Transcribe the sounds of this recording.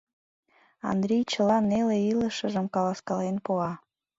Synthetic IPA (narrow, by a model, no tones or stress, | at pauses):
ɑ̰nd̪ɾʲijt͡ɕəlɑneleiləʃəʒəmkɑlɑskɑlenpoɑ